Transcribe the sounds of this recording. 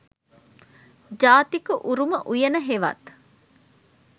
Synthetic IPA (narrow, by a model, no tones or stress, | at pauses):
d͡ʒaːt̪ikuʔuɾuməʔujɐnəɦeʋɐ̰t̪